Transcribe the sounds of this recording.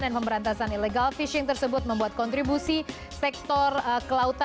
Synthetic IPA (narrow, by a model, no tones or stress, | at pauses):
danpəmbəɾant̪asanileɡalfiʃɪŋt̪ərsəbʊt̪̚məmbuat̪̚kɔnt̪ɾibusi | sɛk̚t̪ɔrəkəlaut̪a